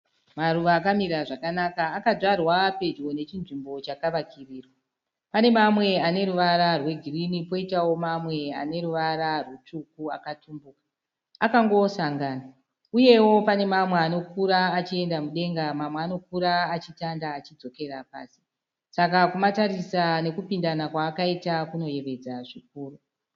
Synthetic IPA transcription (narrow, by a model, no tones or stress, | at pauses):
maruʋaːkamiɾaʐakanakaːkaʐarwape̞d͡ʒone̞t͡ʃinʐimbo̞t͡ʃakaʋakʰiriːrwa | pane̞mamwe̞ane̞ɾuʋaɾarwe̞ɡʱirinipo̞itawo̞mamwe̞a̰ne̞ɾuʋaɾarwut͡ʂukua̰katumbukḁ | akaŋɡo̞saŋɡaːna | uje̞wo̞pane̞mamweano̞kuɾaːt͡ʃie̞ndamuɗe̞ŋɡamamweano̞k̚uɾaːt͡ʃitandaːt͡ʃid͡zo̞ke̞rapa̰ːsi̥ | sakakumataɾisane̞kupindanakwaːkaitakuno̞je̞ʋe̞d͡zaʐik̚uːru